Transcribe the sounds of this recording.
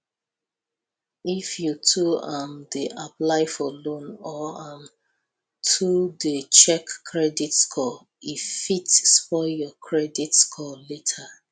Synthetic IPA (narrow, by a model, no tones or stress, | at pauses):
ifjutʰuamdeʔaplaɪfɔlõnɔam | tʰudet͡ʃɛkːʰɹɛditskʰɔ | ifitspɔjɔkʰɹɛditskʰɔletʰa